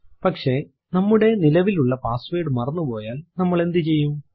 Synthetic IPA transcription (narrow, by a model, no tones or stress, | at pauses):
pɐkʂe̞ | nɐmːuɽe̞nilɐʋiluɭːɐpaːsʋeːɽɨmɐrɐnːupo̞ːjaːlnɐmːɐɭe̞nd̪it͡ɕe̞jːum